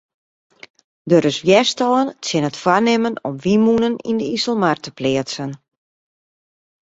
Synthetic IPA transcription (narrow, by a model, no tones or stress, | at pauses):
døɾəsʋjɛstɔːəntsɪnətfwarnɪmənɔmʋimunənḭndəisəl̩ˠmartəplɪətsən